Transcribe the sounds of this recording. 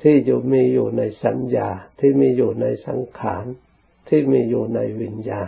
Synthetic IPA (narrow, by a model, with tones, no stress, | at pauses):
t̪ʰiː˥˩juː˨˩miː˧juː˨˩na˧jsa˩˦njaː˧˩t̪ʰiː˥˩miː˧juː˨˩na˧jsa̰˩˦ŋkʰa̰ː˩˦n | t̪ʰiː˥˩miː˧juː˨˩na˧jwi˨˧njaː˧